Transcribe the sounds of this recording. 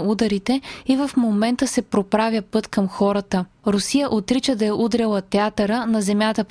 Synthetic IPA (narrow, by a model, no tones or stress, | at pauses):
ud̪ɐɾit̪ɛivɐfmomɛnt̪əsɛpɾopɾavʲjəpɤt̪kɐmxɔɾɐt̪ə | ɾʊsijəʔot̪ɾit͡ʃəd̪ɐjɐʔud̪ɾɛlˠɐt̪ɛat̪ɐɾənɐzɛmʲjat̪əp